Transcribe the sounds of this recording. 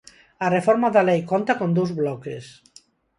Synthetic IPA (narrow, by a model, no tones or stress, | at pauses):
arefɔɾmaðalejkont̪akond̪uwzβlɔkes